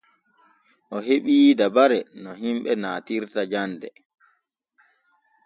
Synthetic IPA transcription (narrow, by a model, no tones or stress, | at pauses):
ʔɔɦeɓiːdabaɾɛnɔɦimɓɛnaːtiɾtad͡ʒandɛ̰